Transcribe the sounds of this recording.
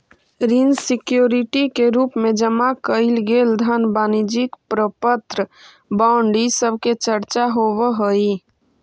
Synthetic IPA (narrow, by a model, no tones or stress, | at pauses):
ɾinsikjoɾiʈikeɾupmed͡ʒəmakəɪlɡeld̪ʱənbaːnid͡ʒikpɾəpət̪ɾə | baʊɳɖisəbʱket͡ʃəɾt͡ʃaɦoʋəɦəi